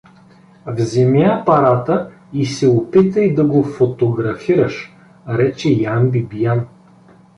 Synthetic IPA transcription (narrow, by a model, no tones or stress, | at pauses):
vzɛmiapɐɾat̪ə | isɛopit̪əid̪ɐɡofot̪oɡɾɐfiɾəʃ | ɾɛt͡ʃɛjambibijan